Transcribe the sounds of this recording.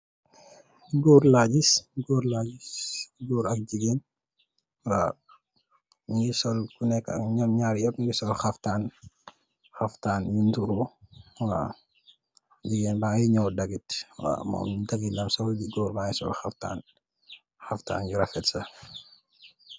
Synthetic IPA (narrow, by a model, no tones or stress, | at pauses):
ɡɔːɾlaːɟisɡoːɾlaːɟisɡɔːɾɐk̚ɟiɡeːn | wa | ŋɡisɔlkunɛkːɐ̰ɲɔmɲaːɾjɔpŋɡisɔlxɐftaːn | xɐftaːnjuntuɾu | a̰ | ɟiɡeːnbajiɲɔwdɐɡitwa̰mɔ̰ːmdaɡinɐmsɔlɟiɡɔːɾmaːjisɔ̰lxɐfta̰ːn | xɐfta̰ːnɟuɾɐfɛtsɐ